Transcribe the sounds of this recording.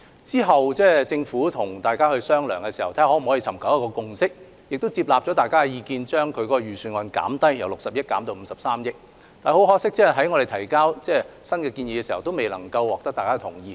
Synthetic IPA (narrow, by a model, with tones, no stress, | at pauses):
t͡siː˥ɦɐ˨wt͡sɛː˥˩t͡sɪ˧ŋfuː˨˥t̪ʰʊ˨˩ŋt̪aː˨jkaː˥hɵ˧ɥsœː˥ŋlœː˨˩ŋkɛː˧siː˨˩hɐ˨˩wt̪ʰa˧˥˩ɔː˨˥m̩˨˩hɔː˨˥ji˧t͡sʰɐ˨˩mkʰɐ˨˥wjɐ˥kɔː˧kʊ˧ŋsɪ˥k̚ | jɪ˨k̚t̪o˥wt͡siː˧p̚laː˨p̚t͡ʃɔ˨˥t̪aː˨jkaː˥ɛ˧jiː˧kiː˧nt͡ʃœː˥ŋkʰɵ˨˧ɥkɔː˧ɔ˧ɥyː˨syː˨˧nŋɔː˧nka̰ː˨˥mt̪ɐ˥jjɐ̰˨˩wlʊ˨k̚sɐ˨p̚jɐ˥t̚kaː˨˥mt̪o˧wm̩˨˧sɐ˨psaː˥mjɪ˥k̚ | t̪aː˨ho˨˥wɦɔː˥ksɪ˥k̚t͡sɛː˥˨ɦɐ˨˥jŋɔ˨˧ɾe˨jt̪ʰɐ˨˩jkaː˥wt͡sɛː˥˩sɐ˥nkɛː˧kiː˧nji˨˧kɛː˧siː˨˩hɐ˨˩wt̪o˥wme˨jlɐ˨˩ŋkɐ˧wɔː˨k̚t̪ɐ˥k̚t̪aː˨kaː˥t̪ʰʊ˨˩ŋjiː˨˧